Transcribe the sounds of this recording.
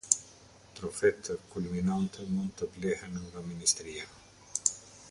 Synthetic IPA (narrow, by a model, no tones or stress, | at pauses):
t̪ɾofɛt̪ʰəkulminant̪ʰənunt̪əplehənuŋɡaminist̪ɾia